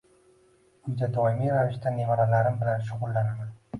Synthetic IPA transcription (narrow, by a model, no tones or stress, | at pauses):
ʊnd̪ad̪ɒɪmiɾavɪʃt̪anevaɾalaɾɪmbɪlanʃ̬ʊʁʊlˠːanaman